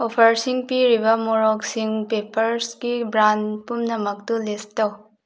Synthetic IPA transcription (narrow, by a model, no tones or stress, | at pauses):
opʰɐɾsiŋpiɾibɐmoɾɔk̚siŋpepɐɾsɡibɾanpumnɐmɐk̚dulestɐw